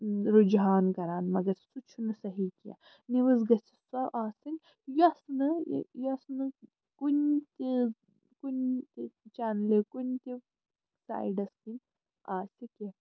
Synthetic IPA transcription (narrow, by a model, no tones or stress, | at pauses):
ɾud͡ʒɦaːnkɐɾaːnmɐɡɐɾsut͡ʃʰunɨsɐɦikija̰ | niʋɨzɡɐsi̥sɐʔaːsɨnʲ | jɐsnɨjɐsnɨ | kunt̪i | kunt̪it͡ʃanlekunʲt̪ʲi | sa̰ːjɖɐskin | aːsʲike